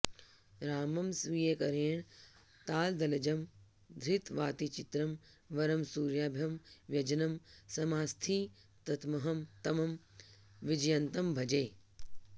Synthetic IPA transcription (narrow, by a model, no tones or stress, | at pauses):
ɾaːmɐmsʋijekɐɾeːɳ | t̪aːld̪ɐlɐd͡ʒɐm | d̪ʱɾɪt̪ʋaːt̪it͡ʃɪt̪ɾɐm | ʋɐɾɐmsuːɾjaːbʱjɐmʋjɐd͡ʒɐnɐmsɐmaːst̪ʰi | t̪ɐt̪mɐɦɐmt̪ɐmɐm | ʋɪd͡ʒjɐnt̪ɐmbʱɐd͡ʒeː